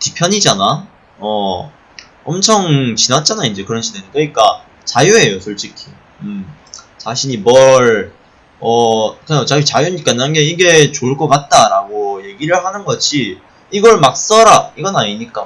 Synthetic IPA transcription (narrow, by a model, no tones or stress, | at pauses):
tipʰjʌɲid͡ʑana | ʌ | ʌmt͡ɕʰʌŋt͡ɕinat̚t͡ɕ͈anaind͡ʑe̞kɯɾʌnɕʰidenɯk͈ʰʌɲik͈a | t͡ɕajuɦe̞josʰʌɭt͡ɕ͈ikʰi | ɯm | t͡ɕaɕʰiɲimʌɭ | ʌkɯʌt͡ɕajut͡ɕajuɲik͈anaɡeiɡe̞t͡ɕoɭk͈ʌk͈at̚t͈aɾaɡoje̞ɡiɾɯɭhanɯnɡʌɕʰi | iɡʌɭmak̚s͈ʌɾaiɡʌnaɲiɲik͈a